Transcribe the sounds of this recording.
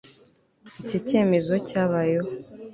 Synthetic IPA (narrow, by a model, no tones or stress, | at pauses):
icoce̞ːme̞zo̞caβajo